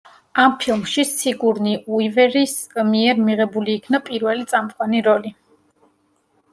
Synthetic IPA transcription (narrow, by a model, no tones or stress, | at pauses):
ampʰilˠmʃisiɡuɾniʔuivɛɾismiɛɾmiʁɛbuliːkʰnapʼiɾvɛlit̪sʼamqʼwaniɾɔli